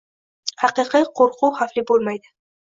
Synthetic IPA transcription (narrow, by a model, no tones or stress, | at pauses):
hɑqɨqʰiqʰoɾqʰʊhaflɪbolˠmajd̪ɪ